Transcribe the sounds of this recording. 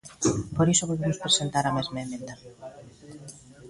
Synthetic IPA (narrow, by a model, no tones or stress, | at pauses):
poɾisoβoðemʊspɾesent̪aɾamezmaemẽnd̪a